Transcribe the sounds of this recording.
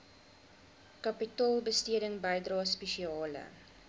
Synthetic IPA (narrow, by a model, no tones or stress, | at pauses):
kɐpitɑːlˠbəstiəɾəŋbəjdrɑːspeʃiɑːlə̰